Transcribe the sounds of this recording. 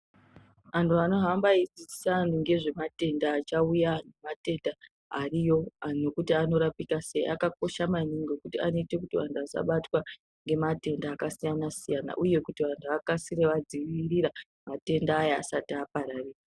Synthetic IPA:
ʋantʰuano̞ɦambaid͡ziisanuŋɡe̞ʐe̞mate̞ndaːt͡ʃaujanumate̞nda | arijo̞no̞kutiano̞ɾapikase̞ḭʔa̰kako̞ʃamaniŋɡo̞kutia̰no̞ite̞kutiʋa̰ntʰuasa̰ɓatwa | ŋɡe̞mate̞ndaːkasijanasijana̰ʔuje̞kutiʋantʰuakasireʋad͡ziʋiriɾa | mate̞ndaːja̰ːsatiapaɾariːra

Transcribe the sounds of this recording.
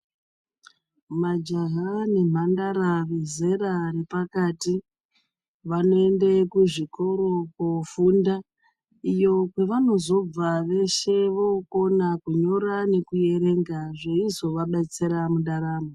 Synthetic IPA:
mad͡ʒaɦane̞m̤andaɾaʋe̞ze̞ɾare̞pakati | ʋano̞e̞ndekuʐiko̞ɾo̞kofuːnda | ijo̞kwe̞ʋano̞zo̞b͡vaʋe̞ʃe̞ʋokonakuɲo̞ɾane̞kuje̞ɾe̞ŋɡaʐeizo̞ʋaɓat͡seɾamuɗaɾaːmo

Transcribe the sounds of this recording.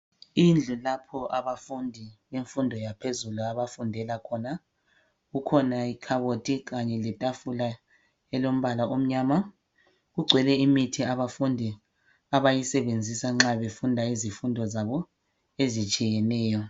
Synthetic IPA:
ind͡ɮʱulapʰɔʔaβafundʱiβeɱfundʱɔjapʰezuluaβafundʱɛlakʰɔna | ɣukʰɔnaikʰaβotʼiɣaɲɛlɛtʼafula | ɛlom̩βalaʔom̩ɲaːma | ɣuɡ͡ǀʱwɛlɛimitʰiaβafundʱi | aβajisɛβend͡zʱisaŋ͡ǁaβefundʱaizifundʱɔzaβɔ | ezit͡ʃʼijɛnɛːjɔ

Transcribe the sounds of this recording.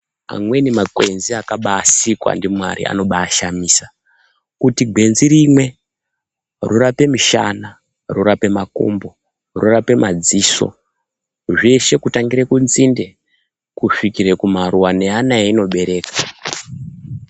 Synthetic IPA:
a̰mwe̞nimakwe̞nziakaɓaːsikwa̰ndimwa̰ɾḭa̰no̞ɓaːʃamiːsḁ | kutiɡʱwe̞nziɾimwe̞ | rurape̞miʃa̰na | ruɾape̞mako̰mbo̞ | rurape̞mad͡ziːso̞̰ | ʐe̞ʃe̞kutaŋɡiɾekunzinde̞ | kufikiɾe̞kumaɾuwane̞anaeino̞ɓe̞ɾe̞ːkḁ

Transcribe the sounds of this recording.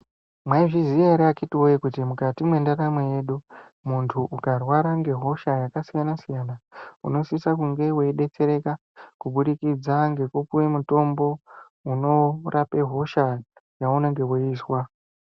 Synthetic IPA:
mwaiʐiziaɾeakitiojekutimukatimwe̞ndaɾamweje̞ːɗu | muntʰuʔukarwaɾaŋɡe̞ɦo̞ʃajakasijanasijanaṵno̞sisakuŋɡe̞we̞ɗe̞t͡se̞ɾe̞ka | kuɓuɗikid͡zaŋɡe̞kukuwe̞muto̞mbo̞ | uno̞rʔape̞ɦo̞ʃa | jaunaŋɡe̞weiːswa

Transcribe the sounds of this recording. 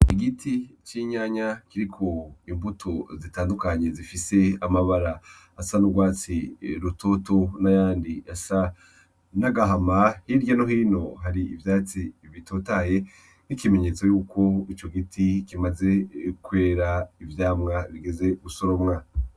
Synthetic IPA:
iɡitʰit͡ʃiɲaːɲakiɾikʰo̞imbutʰozitaːndukaɲe̞zifise̞amaβaɾaː | sanuɡwaːt͡siɾutʰo̞to̞najaːndiasa | naɡaɦamahiɾɟanoɦiːno̞ɦaɾiivjaːt͡siβitoːtaje̞ | nikimeɲe̞ːt͡so̞juːko̞it͡ʃo̞ɡitikimaze̞kwe̞ːɾaivjaːmŋaβiɡe̞ze̞ɡusoɾomŋaːa

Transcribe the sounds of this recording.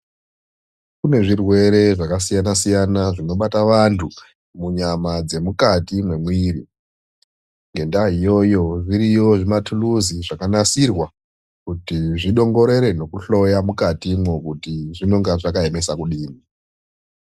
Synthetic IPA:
kune̞ʐirwe̞ɾe̞ʐakasijanasijanaʐino̞ɓataʋantʰu | muɲamad͡ze̞mukatimwe̞mwirḭ | ŋɡe̞ndaɦijo̞jo̞ʐiɾijo̞ʐimatʰuluziʐakanasirwa | kutiʐiɗo̞ŋɡo̞ɾe̞ɾe̞no̞kuɬo̞jamukatimwokutiʐino̞ŋɡaʐakaeme̞sakuɗiːni

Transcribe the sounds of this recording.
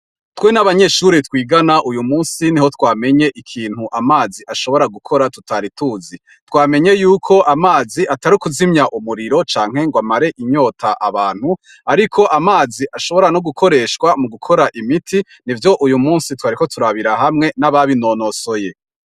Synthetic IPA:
twe̞naβaɲe̞ʃuɾitkwiːɡanaʔujumuːnsiniho̞twaːme̞ɲe̞ʔikʰiːn̥huʔamaːziʔaʃo̞βo̞ɾaɡukʰo̞ɾatutʰaɾituːzi | twaːme̞ɲe̞juːkʰoʔamaːziʔataɾikuzimɲaʔumuɾiɾo̞t͡ʃaːŋ̥he̞ŋɡwamaɾe̞ʔiɲo̞ːtʰaʔa̰βaːn̥hu | aɾikʰo̞ʔamaːziʔaʃo̞βo̞ɾanoɡukʰo̞ɾe̞ːʃkwamuɡukʰo̞ɾaʔimitʰi | nivjo̞ʔujumuːnsitwaːɾiko̞tuɾaβiɾaɦamŋe̞naβaβinoːnoso̞je̞

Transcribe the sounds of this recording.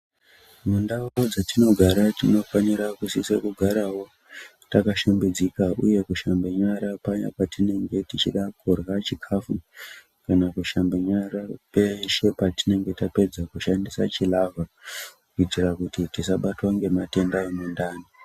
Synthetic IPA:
mundaod͡zatino̞ɡʱaɾatino̞faniɾakusisekuɡʱaɾawo̞ | takaʃembed͡zikaʔuje̞kuʃambeɲaɾapaɲapatine̞ŋɡe̞tit͡ʃiɗakurɣat͡ʃikʰafu | kanakuʃambeɲaɾape̞ʃe̞patine̞ŋɡe̞tape̞d͡zakuʃandisat͡ʃilavakkuitirakutitisaɓatwaŋɡe̞mate̞ndawemundaːni

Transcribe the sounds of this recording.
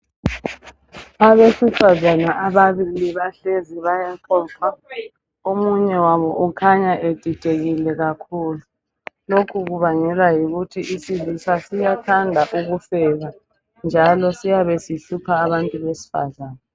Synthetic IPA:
aβesifazanaʔaβaβiliβaɬeziβajaǃɔːǁa | omuɲɛwaβɔʔukʰaɲaʔed̥ʱid̥ʱeɣilɛɣakʰuːlu | lokʰuɣuβaɲɛlwajiɣutʰiʔisilisasijatʰandʱaʔuɣufɛɣa | nd͡ʒʱalɔsijaβesiɬupʰaːβantʼuβesi̥fa̰zaːna

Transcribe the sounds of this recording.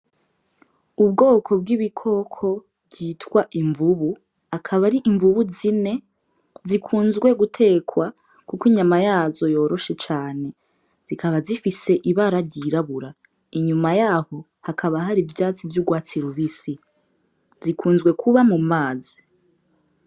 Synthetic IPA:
ubɡo̞ːkʰo̞bɡiβikʰo̞kʰo̞ | bɟiːtwaʔiɱvuβu | akʰaβaɾiʔiɱvuβuzine̞ | zikʰuːnzɡwe̞ɡutʰe̞ːkʰwa | kukiɲamajaːzo̞jo̞ːɾo̞ʃe̞t͡ʃaːne̞ | z̥ikʰaβazifise̞ʔiβaɾaɾɟiɾaβuɾa | iɲumajaːho̞ | hakʰaβaɦaɾivjaːt͡sivjuɡwaːt͡siɾuβisi | zikʰuːnzɡwe̞kʰuβamumaːzi̥

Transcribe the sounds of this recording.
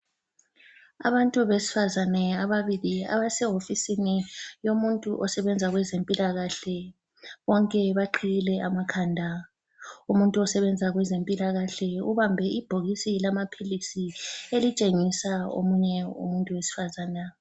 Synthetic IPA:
a̰βantʼuβesi̥fazanɛaβaβilia̰βasɛɦofisinijomuntʼuʔɔsɛβɛnd͡zʱaɣwɛzempʼilaɣaɬɛ | ɣɔŋkʼɛβaǃʰiɣilɛʔamakʰandʱa | umuntʼuɔsɛβɛnd͡zʱaɣwɛzempʼilaɣaɬɛuβambʱɛib̥ʱoɣisilamapʰilisielit͡ʃʼeŋisao̰muɲɛṵmuntʼuwesi̥fazaːna

